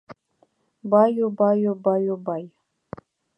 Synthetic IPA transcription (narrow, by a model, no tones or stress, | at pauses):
bajubajobajobaj